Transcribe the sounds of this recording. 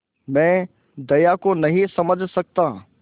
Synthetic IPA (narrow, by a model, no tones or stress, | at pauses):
mɛ̃ː | d̪ɐjakonɐɦĩsɐməd͡ʒʱsɐk̚t̪aː